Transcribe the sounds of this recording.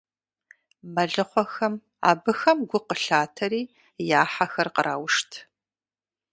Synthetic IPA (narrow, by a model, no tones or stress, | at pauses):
mɐɮɨχʷɔxɐm | a̰ːbɨxɐmɡʷʊqəɬaːtʰɐɾiː | jaːħaxɐrqəɾʔaːwʂtʰ